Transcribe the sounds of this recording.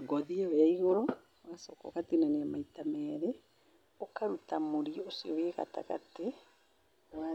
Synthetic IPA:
ɡɔðiajaiɣɔɾɔ | ɣasɔkɔ̰ɣatenaneamaitamɛɾe | okaɾutamoɾiosiɔweɣa̰ta̰ɣa̰te | wa

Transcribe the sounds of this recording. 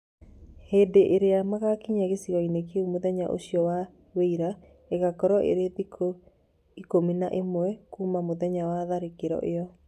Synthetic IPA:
heːdeʔeɾeamaɣakiɲaɣesiɣɔinek̬eumoðɛɲaʔo̰ɕiɔwa | weiɾa | eɣakɔɾɔʔḛɾetiko | ikominaʔemoɛkuːmamoðɛɲawaðaɾekeɾɔ̰ʔeɔ

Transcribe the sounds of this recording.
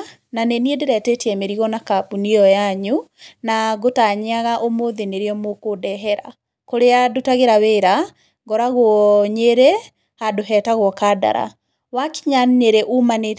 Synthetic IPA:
naneniedeɾɛtetjɛmeɾiɣɔnakapuniɔjaɲunaɡotaɲeaɣaʔomoðeneɾeɔmokodɛɦɛɾa̰ | koɾeadotaɣeɾaweɾa | ɡɔɾaɣwɔɲeɾe | hadoɦɛtaɣɔkada̰ɾa̰ | waki̥ɲanɲeɾeʔumane

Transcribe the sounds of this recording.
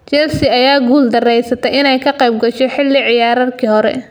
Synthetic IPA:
t͡ʃɛlsɪɐjaːɡuːld̪ɐrɛjsɐt̪ʰɛjɪnɛjkʰɐqɑjb̚ɡɐʃɔħɪlːɪʕɪjaːɾɐrkʰiːhɔɾɛ̰

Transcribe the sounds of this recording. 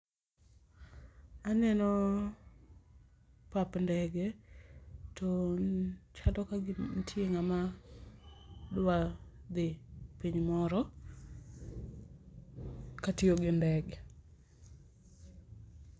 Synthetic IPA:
anɛnɔ | papndɛɡɛ | tɔ | t͡ʃadɔkaɡɪntʰjeŋama | dwa | d̪ɪpiɲmɔɾɔ | katɪoɡɪndɛɡ

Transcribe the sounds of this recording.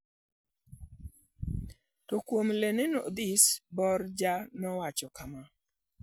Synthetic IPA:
tɔkwomlenenod̪isbɔrd͡ʒanɔwat͡ʃɔkama

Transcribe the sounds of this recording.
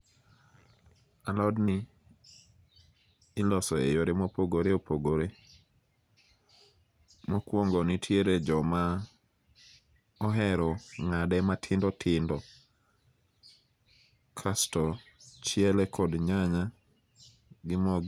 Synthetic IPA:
alɔdnɪ | lɔsɔḛjoɾɪmopoɡoɾeopʰoɡoɾe | mokwoŋɡɔnitʰjeɾed͡ʒɔma | ɔɦɛɾɔŋadɛmatʰɪndɔtʰɪndɔ | kʰastɔt͡ʃjɛlɛkʰɔdɲaɲa | ɡɪmɔɡ

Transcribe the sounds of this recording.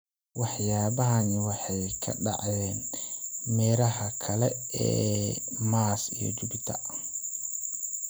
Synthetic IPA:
wɑħjaːβɐɦɐnɪwɑħɑjkʰɐ̰ɖɑ̰ʕjɛːnmɛːɾɐɦɐkʰɐlɛɛːmaːsḭjɔ̰d͡ʒʊbt̪ʰɐ̰

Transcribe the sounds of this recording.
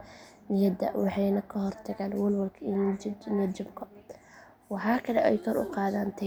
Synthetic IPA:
nɪjɐd̪ɐ̰wɑħɑjnɐkʰɐɦɔrt̪ʰɐɡaːnwɐlwɐlkʰind͡ʒnɐd͡ʒɪbkʰɐ | wɑħaːkʰɐlɛʔɛjkʰɔɾʔʊ̰qɑːðaːnt̪ʰɐ

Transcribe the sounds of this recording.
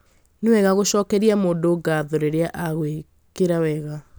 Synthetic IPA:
newɛɣaɣoɕɔːkɛɾiamoːdoɡaðoɾeɾeaʔaɣwe | keɾawɛɣa

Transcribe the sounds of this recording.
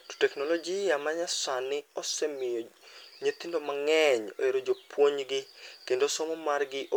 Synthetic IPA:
to̥tɛknolod͡ʒijamaɲasanɪɔsɛmɪjo | ɲet̪indɔmaŋɛɲo̰eɾod͡ʒopwoɲɡɪkendosɔmɔmarɡɪʔo

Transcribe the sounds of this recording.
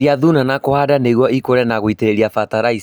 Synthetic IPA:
iaðunanakohadaneɣwɔikoɾɛnaɣoiteɾeɾiafataɾai

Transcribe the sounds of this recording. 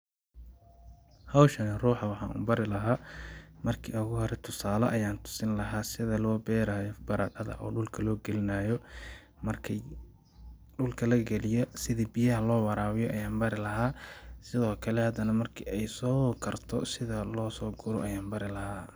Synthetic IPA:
hɑwʃɐnɪruːħɑwɑħɑ̰ːnʔʊ̰mbɐɾɪlɐɦaːmɐrkʰḭːʊɣʊhɔɾɛt̪ʰʊsaːlɐ̰ʔɐjaːnt̪ʰʊ̥sɪnlɐɦaːsɪðɐlɔːbɛːɾaːjɔbɐɾaqɐðɐ̰ʔɔ̰ːɖʊlkʰɐlɔːɡɛlɪnaːjɔ | mɐrkʰi | ɖʊlkʰɐlɐɡɛlɪjɔsɪðiːbijɐɦɐlɔːwɑɾaːwɪjɔʔɐjaːmbɐɾɪlɐɦaːsɪðɔːkʰɐlɛhɐd̪ɐnɐmɐrkʰḭːɛjsɔːkʰɐrt̪ʰɔ̰sɪðɐlɔːsɔːɡʊɾɔʔɐjaːnbɐɾɪlɐhaː

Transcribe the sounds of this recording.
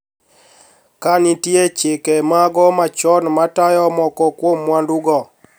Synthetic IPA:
kanitjet͡ʃɪkemaɡɔmat͡ʃɔnmatajɔmɔkɔkwomːwanduɡɔ

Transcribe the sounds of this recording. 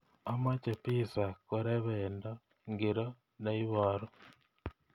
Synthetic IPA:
amacepisakuɾeβeːndo | ŋɡiɾo | naiβoɾo

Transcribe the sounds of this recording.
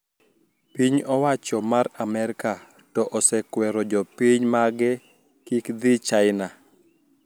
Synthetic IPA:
piɲɔwat͡ʃɔmaɾamɛɾɪka | tɔʔɔsɛkwɛɾɔd͡ʒɔpiɲmaɡɛ | kikd̪it͡ʃajɪna

